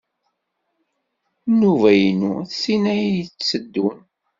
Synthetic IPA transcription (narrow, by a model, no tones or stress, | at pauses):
nuvæjnuθsinæjjət͡st͡sːəd̪ːun